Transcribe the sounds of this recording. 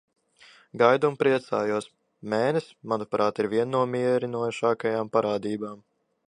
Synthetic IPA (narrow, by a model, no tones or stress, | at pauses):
ɡajd̪umpɾiɛt̪saːjuɔs | mɛːnʲɛsmanupɾaːt̪iɾvʲiɛnːuɔmiɛɾinuɔʃaːkajaːmpaɾaːd̪iːbaːm